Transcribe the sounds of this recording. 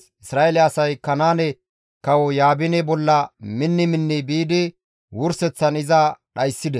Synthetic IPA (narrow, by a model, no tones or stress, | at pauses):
ʔɪsɾaːʔelɛɐsɐjkɐnaːnɛ | kɐwɔjaːbɪnɛbɔlːɐmɪnːɪmɪnːɪbiːd̪ɪ | wʊɾsɛt͡sːɐnɪzɐɗɐjsːɪd̪ɛ